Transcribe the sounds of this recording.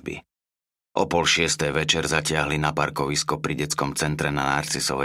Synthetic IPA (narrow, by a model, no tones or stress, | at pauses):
bḭ | ʔɔpɔlʃɪɛst̪ɛjʋɛt͡ʃɛɾzacɪaɦlinapaɾkɔʋiskɔpɾiɟɛt͡skɔmt͡sɛnt̪ɾɛnanaɾt͡sisɔʋɛ